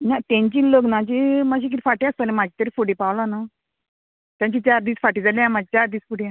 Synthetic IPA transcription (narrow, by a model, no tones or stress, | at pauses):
nat̪ãɲt͡ɕiːləɡnat͡ɕimaɕ̬iːk̬it̪ifaʈiast̪ənẽmad͡ʑit̪əɾiːfuɽipawlana | t̪jãɲt͡ɕit͡ɕaɾd̪iːsfaʈiːd͡zaljjãmad͡ʑit͡ɕaɾd̪iːsfuɽia